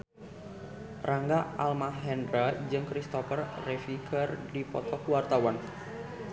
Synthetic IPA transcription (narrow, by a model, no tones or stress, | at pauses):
rʔaŋɡaʔalmaɦɛnɾad͡ʒɨŋkɾist̪ɔfərːefikʰərdipɔ̰t̪ɔkuwart̪awan